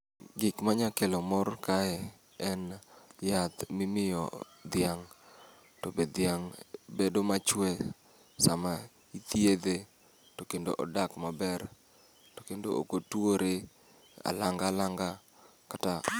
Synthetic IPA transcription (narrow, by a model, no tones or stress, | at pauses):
ɡɪkmaɲakelomɔrkaɛ | ɛnjat̪mimɪjɔ̰ | d̪jaŋ | tobed̪jaŋbedomat͡ʃwɛ | sama | it̪ied̪e | tokendo̰ʔɔdakmabɛr | to̥kendoo̰kotwoɾe | a̰laŋɡalaŋɡa | kata